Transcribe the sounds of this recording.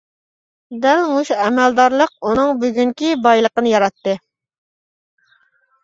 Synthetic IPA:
d̪ɛlmuʃuɛmɛld̪ɑɾlˠəq̚unɨŋbyɡʲyŋkʲibɑjlˠəqənɨjɑɾɑt̪ːɨ

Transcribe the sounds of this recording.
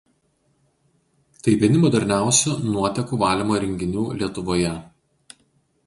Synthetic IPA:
t̪ɐɪpʲɪnʲɪmɔd̪ʲɛɾʲnʲæˑʊsʲunuɔt̪ʲɛkuːʋɑːlʲimoːɾʲɛŋʲɡʲɪnʲuːlʲiɛt̪ʊʋoːjɛ

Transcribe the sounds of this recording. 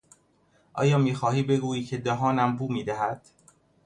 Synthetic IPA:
ʔɒ̰ːjɒːmiːxɒːhiːbe̞ɡuːiːcʰed̪ɒɦɒːnæmbuːmiːd̪æɦæd̪̥

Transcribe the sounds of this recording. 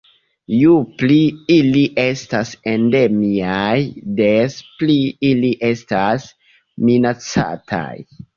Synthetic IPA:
jupliiliʔe̞stasende̞miajdespliiliʔe̞stas | minat͡sa̰tʰa̰j

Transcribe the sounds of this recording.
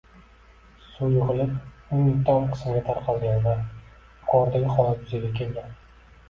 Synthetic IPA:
sujʊʁɨlɪpʊnɪt̪ʰːanqʰɨ̥smɡʲat̪ʰaɾqʰɑlˠɡʲanva | qʰɒɾd̪aɡʲɪχɒlˠaʊzaɡʲakʲʰe̞lɡʲan

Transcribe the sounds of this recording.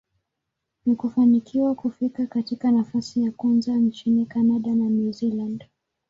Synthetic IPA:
nikufanikʰiwakufikakatikanafasijakwanzant͡ʃinikanaɗananuziland

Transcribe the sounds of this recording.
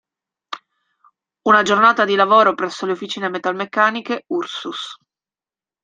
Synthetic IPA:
unad͡ʒornaːt̪ad̪ilavoːɾopɾɛsːoleofːit͡ʃiːnemet̪almekːaːnikeursus

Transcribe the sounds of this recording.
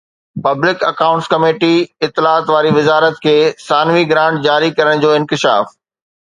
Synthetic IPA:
pɐblɪkɐkaːʊ̃ɳʈskɐmeːʈiɪt̪ːɪlaːt̪ʋaːɾiʋɪzaːɾət̪kʰeːsaːnʋiɡɾãːɳʈ̚d͡ʑaːɾikɐɾəɽ̃d͡ʑoːɪ̃nkɪʃa̰ːf

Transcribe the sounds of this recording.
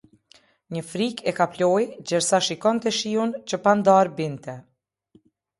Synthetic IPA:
ɲəfɾikɛkaplɔjd͡ʑɛɾsaʃikɔnt̪ɛʃiunt͡ɕəpand̪aɾbint̪ɛ

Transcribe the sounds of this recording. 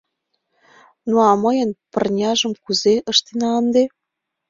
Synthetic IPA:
noɑmɤjə̆npɤ̆rnʲɑʒə̆mkuzeə̆ʃt̪enɑənd̪e

